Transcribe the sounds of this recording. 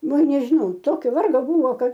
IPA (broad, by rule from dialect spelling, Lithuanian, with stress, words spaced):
ˈʋɐ nʲɛʒʲɪˈnɐʊ ˈtoːkʲoː ˈʋɐrɡoː ˈbʊʋoː ˈkɐt